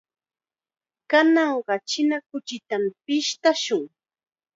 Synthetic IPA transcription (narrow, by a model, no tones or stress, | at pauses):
kanɑɴɢɑt͡ʃɪnakʊt͡ʃɪt̪ampɪʃt̪aʃʊŋ